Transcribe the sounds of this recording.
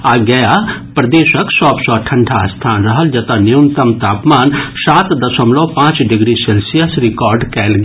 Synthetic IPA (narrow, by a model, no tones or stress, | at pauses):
aːɡɐjaːpɾɐd̪eːʃəksɔːpsɔːʈʰɐ̃ɳɖʰʱast̪ʰaːnɾɐɦəld͡ʒɐt̪aniunt̪ɐmt̪aːpmaːnsaːt̪d̪ɐsɐmlopãːt͡ʃɖɪɡɾiseːlsijəsɾɪkɔːɾɖkɛːlɡ